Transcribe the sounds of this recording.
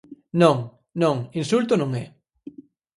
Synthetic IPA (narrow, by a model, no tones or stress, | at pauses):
nõŋ | nõŋinsult̪onõŋɛ